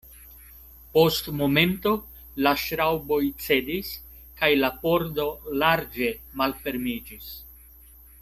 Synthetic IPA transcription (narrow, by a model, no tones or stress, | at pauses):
po̞stmo̞me̞nto̞ | laʃɾawbo̞jt͡se̞dis | kajlapo̞ɾdo̞laɾd͡ʒe̞malfe̞ɾmid͡ʒis